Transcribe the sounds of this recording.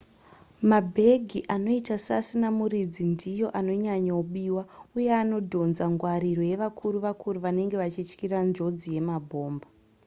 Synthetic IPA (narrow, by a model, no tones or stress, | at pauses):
mabʱe̞ɡʱiʔano̞itasasinamuɾid͡zindijo̞ʔano̞ɲaɲauɓiːwaujeano̞dʱo̞nzaŋɡwaɾiro̞je̞ʋakʰuɾuʋakuɾuʋane̞ŋɡe̞ʋat͡ʃit͡ʃkirand͡ʒo̞d͡zije̞mabʱo̞ːmba